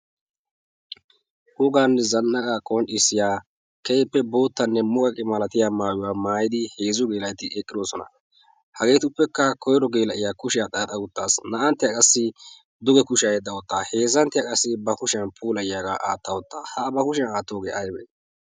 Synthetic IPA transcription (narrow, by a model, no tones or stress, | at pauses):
ʔʊɡaːnːɛzɐnːɐkʼakʼɔnɗɪsːɪjaː | kɛjpːɛbo̞ːt̪ːɐnːɛmʊkʼɐkʼɪmɐlɐt̪ɪjaːmaːjʊwaːmaːjɪd̪ɪhe̞ːzʊɡe̞ːlɐjt̪ɪɛkʼːɪd̪oːsɔnɐ̰ | hɐɡe̞ːt̪ʊpːɛkːɐkʰɔjɾɔɡeːlɐʔɪjaːkʊʃɪjaːt̪ʼɐɐt̪ʼɐɡʊt̪ːaːsnɐʔɐnt̪ːɪjakʼɐsːɪ | d̪ʊɡɛkʊʃɪjajɛd̪ːɐwɔt̪ːaːhe̞ːzɐnt̪ːɪjakʼɐsːɪbɐkʊʃɪɐnpʰuːlɐjjaːɡa̰ːʔaːt̪ːɐwɔt̪ːaːhɐbɐkʊʃ̬ɛnaːt̪ːo̞ːɡeːʔɐjbɛ̰